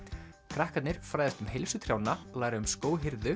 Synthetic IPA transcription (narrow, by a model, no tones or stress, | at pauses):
kʰɾahkat̪nɪɾ̥fɾaːjðɛst̪ʏmhejlsʏt̪ʰɾ̥jawnalaːjɾaʏmskoːwɦɪɾðʏ